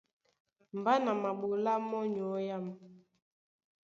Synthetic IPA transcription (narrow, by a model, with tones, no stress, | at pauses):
m˨ba˦na˨ma˨ɓo˨la˦mɔ˦ɲ˨ɔ˨˦ja˦ma˨